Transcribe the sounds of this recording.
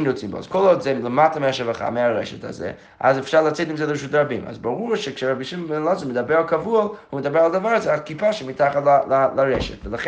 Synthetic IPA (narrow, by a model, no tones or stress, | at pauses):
nɔt͡simbɔ̰skʰɔlˠɔdzɛlˠəmatameaʃavaχa̰meaɾɛʃɛta̰zɛ̰ | a̰zɛfʃaɾlˠat͡sɛtimzɛlˠəəʃutɾabima̰zbaʁuɾʃɛkʃɛɾabiʃiməbɛnlˠɔzɔmɪdabɛɾalˠkʰavualˠhumɪdabɛɾalˠad̪avaɾazɛakipʰaʃɛmitaχatlalalˠaɾɛʃɛtvəlˠaχ